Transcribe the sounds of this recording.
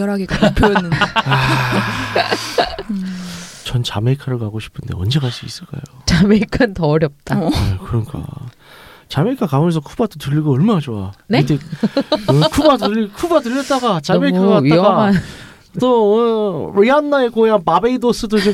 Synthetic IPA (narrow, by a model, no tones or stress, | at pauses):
jʌɾaɡikpʰoʌnːɯna | t͡ɕʌnt͡ɕame̞ikʰaɾɯɭkaɡoɕʰi̥pʰɯnde̞ʌ̰nd͡ʑe̞ɣaɭs͈uis͈ɯɭk͈a̰jot͡ɕameikʰantʌʌɾjʌp̚t͈aekɯɾʌnk͈a̰ | t͡ɕame̞ikʰakauensʰʌkʰubadotɯʎːiɡoʌɭmaɦad͡ʑowaneit͈e | ɯkʰubadikʰubatɯʎjʌt̚t͈aɡat͡ɕameikʰaaiaɡaa | t͈oʌɾianːaekojapabeidos͈ɯdot͡ɕom